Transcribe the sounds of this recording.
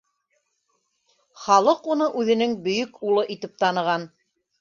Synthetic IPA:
χɑlˠɤqunɤʔʉðɘ̆nɘŋbɵ̆jɵkulˠɤʔit̪ɘp̚t̪ɑnɤ̆ʁɑn

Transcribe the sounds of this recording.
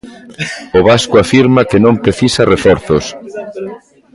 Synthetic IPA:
ʊβaskʊafiɾmakenõmpɾeθisarefɔɾθʊs

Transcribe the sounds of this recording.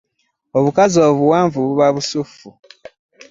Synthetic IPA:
oβukazo̞ːβuwaːɱvuββaβusufu

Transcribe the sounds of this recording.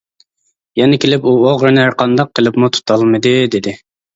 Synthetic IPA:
jɛnɪkʲʰelɪpuoʁɾɨnæɾqʰɑnd̪ɑqʰːəlˠɨpmut̪ʰu̥t̪ʰɑlˠmɨd̪ɨd̪ɪd̪ɪ

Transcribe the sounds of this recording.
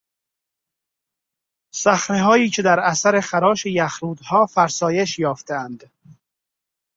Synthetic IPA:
sæxɾeɦɒːiːcʰe̞d̪æɾæsæɾe̞xæɾɒːʃejæxɾuːd̪hɒːfæɾsɒːje̞ʃjɒːft̪ʰeænd̪̥

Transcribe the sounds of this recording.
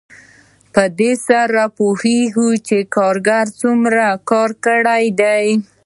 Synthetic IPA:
pəd̪esaɾapoheɡut͡ʃekɑɾɡaɾt͡sumɾakɑɾkəɽajd̪aj

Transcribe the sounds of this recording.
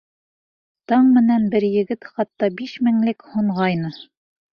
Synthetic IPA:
t̪ɑɴmɘ̆nænbɘɾjɘ̆ɡɘt̪χɑt̪ːɑbiʃmɘ̆ŋlɘkhuɴʁɑjnɤ

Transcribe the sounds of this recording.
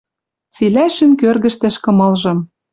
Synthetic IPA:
t͡silæʃɘ̆mkørɣɘ̆ʃt̪ɘ̆ʃkɤ̆mɤ̆lʒɤ̆m

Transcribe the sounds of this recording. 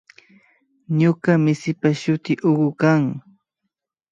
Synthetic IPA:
ɲokamɪsɪpaʃʊt̪ɪʔoɢʊkaŋ

